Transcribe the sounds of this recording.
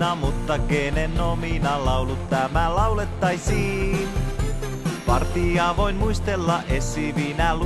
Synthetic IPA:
ɑmut̪ːɑkeːnenominɑlɑulut̪ːæmælɑwlet̪ːɑjsiːn | pɑrt̪iɑʋoinmuist̪elːɑʔesːiʋinæl

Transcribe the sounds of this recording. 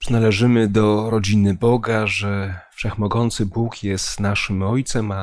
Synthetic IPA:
pʐnalɛʐɘmɘd̪ɔɾɔd͡ʑinɘbɔɡaʐɛfʂɛxmɔɡɔnt̪sɘbukʰjɛst̪naʂɘmɔjt̪sɛma

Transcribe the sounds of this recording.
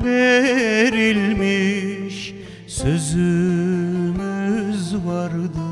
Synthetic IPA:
be | ɾɪlmeʃ | sɵz | ŋɪzbɑɾd̪

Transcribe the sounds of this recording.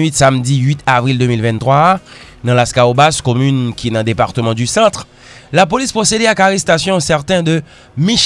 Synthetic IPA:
ɥit̪samd̪iɥit̪avʁild̪ømilvɛ̃nt̪χwa | d̪ɑ̃laskaobaskɔmynkʲiɛnɑ̃d̪epaʁt̪əmɑ̃d̪ysɑ̃t̪χ | lapolispχosed̪ɛakaʁɛst̪asjɔ̃sɛʁt̪ɛ̃d̪ə | miʃ

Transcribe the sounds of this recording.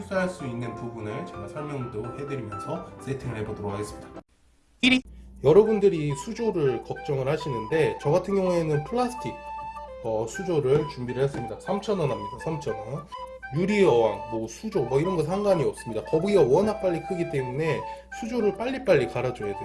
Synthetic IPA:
is͈aɦaɭs͈uinːɯnpubunɯɭt͡ɕeɡasʰaɭmjʌŋudohe̞dɯɾimjʌnsʰʌsʰetʰeŋɯɭhe̞bodʌɾokʰaɡes͈ɯmɲid̥a | iɾijʌɾʌbundɯɾisʰud͡ʑoɾɯɭkʌk̚t͡ɕ͈ʌŋɯɭhaɕʰinɯnde̞t͡ɕʌɡatʰɯnɡjʌŋue̞nɯnpʰɯɭːasʰɯ̥tʰik̚ʌsʰud͡ʑoɾɯɭt͡ɕumbiɾɯʌs͈ɯmɲidasʰamt͡ɕʰʌnʌnɦamɲidasʰamt͡ɕʰʌnʌn | juɾiʌwaŋmʌsʰud͡ʑomʌiɾʌnɡʌs̬ʰaŋɡaɲiʌp̚s͈ɯmɲidakʌbuɡiɡawʌnɦak̚p͈aʎːikʰɯɡit͈e̞mune̞ | sʰud͡ʑoɾɯɭp͈aʎːip͈aʎːikaɾad͡ʑojade

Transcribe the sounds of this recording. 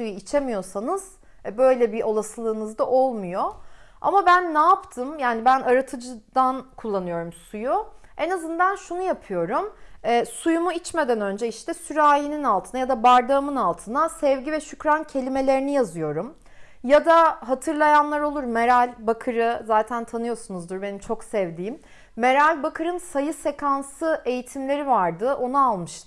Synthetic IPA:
sujuit͡ʃʰemijo̞sanɯz̥ | bø̞jlʲɛbiʔo̞lˠaslˠɯːnɯzd̪aʔo̞lˠmujo̞a̰mabænːaːpt̪ʰɯmjaːnibænʔaɾat̪ʰɯd͡ʒɯd̪̥ankʰulˠːanɯjo̞ɾumsuju | enazɯnd̪anʃunujapʰɯjo̞ɾumɛːsujumuit͡ʃme̞d̪ænø̞nd͡ʒɛiʃt̪ʰɛsyɾaːjininalˠt̪ʰɯnajad̪abaɾd̪aɯmɯnalˠt̪ʰɯnasɛvɟivɛʃycɾancʰe̞lʲime̞lʲe̞ɾinijazɯjo̞ɾum | jad̪aɦat̪ʰɯɾlˠajanlˠaɾo̞lˠuɾmeɾalʲbakʰɯɾɯzaːt̪ʰænt̪ʰanɯjo̞sunuzd̪uɾbe̞nimt͡ʃʰo̞ksɛvd̪iːimː | e̞ɾalʲbakʰɯɾɯnsajɯse̞kʰansɯe̞jit̪ʰimlʲe̞ɾivaɾd̪ɯʔo̞naalˠmɯʃt̪

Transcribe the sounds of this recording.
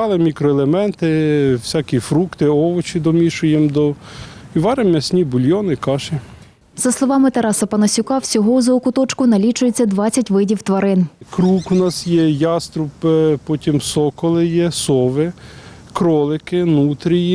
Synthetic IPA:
ɑlˠɪmʲikɾɔelˠemɛnt̪ɪwsʲɑkʲifɾukt̪ɪɔʋɔt͡ʃid̪ɔmʲiʃʊjɛmd̪ɔiʋɑɾemʲɐsʲnʲibʊlʲjɔnɪkɑʃe | z̥ɐslˠɔʋɑmɪt̪ɐɾɑsɐpɐnɐsʲʊkɑwsʲɔɦɔuzɐɔkʊt̪ɔt͡ʃkʊnɐlʲit͡ʃʊjet͡sʲːɐd̪ʋɑt͡sʲɐtʲʋɪdʲiwt̪ʋɐɾɪnkɾukunɑsjɛjɑst̪ɾʊppɔtʲimsɔkɔlˠɪjɛsɔʋɪ | kɾɔlˠɪkɪnut̪ɾʲiji

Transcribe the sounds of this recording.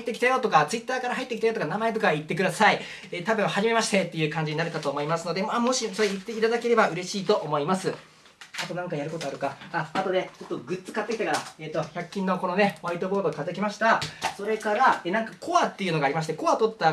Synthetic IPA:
it̪ːe̞kʲi̥t̪ajo̞t̪o̞kat͡sɨit̪ːaːkaɾaɦait̪ːekʲit̪ajo̞t̪okanamae̞t̪̬o̞kait̪ːe̞k̬ɯd̪asai | et̪abeahaʑime̞maɕi̥t̪e̞t̪ːe̞jɯ̟ːkãɲ̟d͡ʑiɲ̟inaɾɯ̟kat̪o̞ːmo̞imasɨno̞d̪e̞mamo̞ɕiso̞ɾeit̪ːe̞it̪ad̪ake̞ɾe̞baʔɯ̟ɾe̞ɕiːt̪o̞ʔomo̞imasɨ | at̪o̞nãŋkajaɾɯ̟ko̞t̪o̞aɾɯ̟kaaat̪o̞d̪e̞t͡ɕo̞t̪ːo̞ɡɯ̟t͡sɨ̥kat̪ːekʲi̥t̪akaɾaeːt̪ːo̞çakʲːĩnːo̞ko̞no̞ne̞βait̪o̞bo̞ːd̪okat̪ak̬ʲimaɕi̥t̪asoɾe̞kaɾaenãŋkakʰo̞βat̪ːe̞iɯ̟no̞ɡaːɾʲimasɕi̥t̪eko̞βat̪o̞t̪ːa

